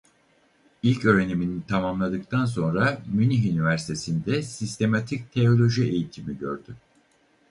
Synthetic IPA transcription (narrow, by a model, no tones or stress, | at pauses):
ilʲcø̞ːɾe̞niminit̪ʰamamlˠad̪ɯk̚t̪ʰans̬o̞nɾamyniɦynivæɾsi̥t̪ʰe̞sind̪ɛsist̪ʰe̞mat̪ʰic̚t̪ʰe̞o̞lʲo̞ʒie̞jit̪ʰimiɟø̞̰ɾd̪̥y